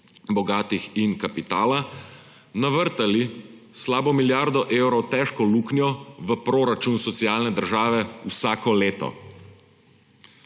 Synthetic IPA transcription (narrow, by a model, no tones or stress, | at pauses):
bɔɡaːt̪ixinkapit̪aːla | naʋəɾt̪ali | slaːbɔmiljaɾd̪ɔʔewɾɔwt̪ɛʃkɔluːknjɔʋəpɾoːɾat͡ʃunsɔt̪siaːlnɛd̪əɾʒaːʋɛusaːkɔleːt̪ɔ̰